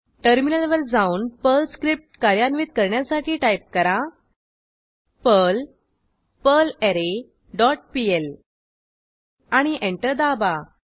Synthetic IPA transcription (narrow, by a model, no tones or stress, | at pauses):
ʈəɾminəlʋəld͡zauːnpəlskɾip̚ʈkaɾjanʋiːt̪̚kəɾɳjasaʈʰiːʈajp̚kəɾa | pəl | pəleɾe | ɖɔʈ̚piel | aɽ̃iʔẽɳʈəɾd̪aba